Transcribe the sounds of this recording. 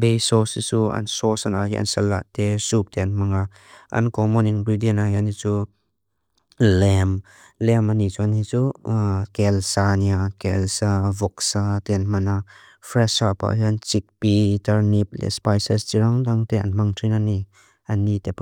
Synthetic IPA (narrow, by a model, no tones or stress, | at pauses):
bejsɔsit͡suɐ̰nsɔsana̰ɦḭʔɐ̰nsɐlːa̰ʔtɛsup̚tɛɐnmɐŋa | ʔɐ̰nkɔmɔniŋbidinaɦianit͡su | lɛm | lɛmanit͡suanit͡sukɛlsaniakɛlsavɔksatɛnmɐna | fɾɛsapa̰ʔɦiɐnt͡sik̚pitɐɾnip̚lɛ̰spajsɛstiɾaŋdaŋt̪ɛʔɐ̰nmaŋtʰinani | ʔɐnːitɛp